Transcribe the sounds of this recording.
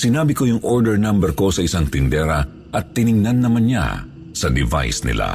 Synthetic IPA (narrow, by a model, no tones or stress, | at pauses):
sɪnaːbɪko̞jʊŋʔoɹd̪ɛɹnambɛɾko̞sɐɪsaŋt̪ɪnd̪ɛɾɐ | ʔɐt̪ːɪnɪŋnɐnːɐmanɲa̰ | sɐd̪ɪva̰jsnɪ̰la̰